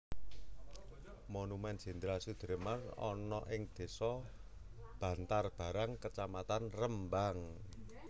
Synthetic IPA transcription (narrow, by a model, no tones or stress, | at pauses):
monumɛnd͡ʒ̥i̤nd̪ɾasud̪̥əɾmərɔ̰nɔʔɪŋd̪̥e̤sɔ | b̥ä̤nt̪arb̥a̤ɾaŋkət͡ʃamat̪anrəmbaŋ